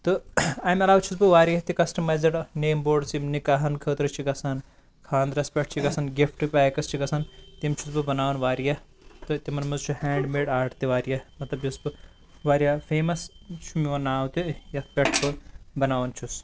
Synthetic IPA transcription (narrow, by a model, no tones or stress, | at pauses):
t̪ɨaːmɐlaːwt͡ʃʰusbɨʋaːɾijɐt̪ikɐsʈɐmɐːjzɐʈneːmboːɖsimnikaɦɐnkʰəːt̪ɾɨt͡ʃʰiɡɐsʰɐn | kʰãːnd̪ɾɐspʲɐʈ̚ʰt͡ʃʰiɡɐsɐnɡifʈɨpʲaːjkɐst͡ʃʰiɡɐsʰɐnt̪imt͡ʃʰusbɨbɐnaːʋɐnʋaːɾijɐ | t̪ɨt̪imɐnmɐzt͡ʃʰuhɛːɳɖmeːɖaːʈt̪iʋaːɾijɐmɐt̪lɐbjusbɨ | ʋaːɾijaːfʰeːmɐst͡ʃʰumiɐnaːwt̪ijɐt̪ʰpʲeʈʰbɨbɐnaːʋɐnt͡ʃʰus